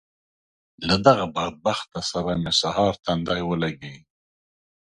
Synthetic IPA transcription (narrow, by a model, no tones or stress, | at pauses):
lad̪aɣabaɾd̪̚baxt̪ːasaɾajmesahɑɾt̪and̪ɑjwəlaɡi